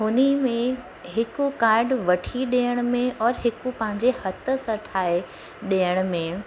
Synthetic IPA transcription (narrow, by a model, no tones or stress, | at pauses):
ɦʊnimẽ | ɦɪkʊkaːɾɖʋɐʈʰiɗeːəɽ̃ʊ̆mẽʔɔːɾɦɪkupɐ̃ɦɪ̃ɲd͡ʑehɐt̪ə̆sɐʈʰaːe | ɗiːəɽ̃̆mẽ